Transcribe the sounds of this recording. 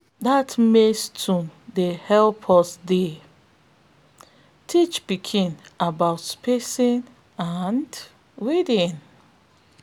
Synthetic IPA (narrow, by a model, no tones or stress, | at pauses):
datmestʰũdehɛlpʰɔsde | tʰit͡ʃpikʰĩnabaʊtspesĩn | and | widĩn